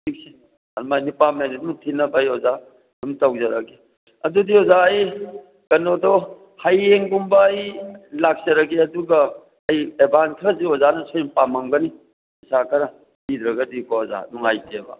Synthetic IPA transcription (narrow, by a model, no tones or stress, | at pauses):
ik̚si | ɐɾmajnipamenet̚mutʰinɐbajoza | numtawzɐɾɐɡe | ɐdudiozaːj | kɐnodɔ | hajeŋɡumbɐjlak̚zɐɾɐɡeɐduɡɐ | ɐjebankʰɾɐziozanɐsojmpamaŋɡɐni | isakʰɐɾɐ | did̪ɾɐɡɐdikoza̰nuŋajtebɐ̰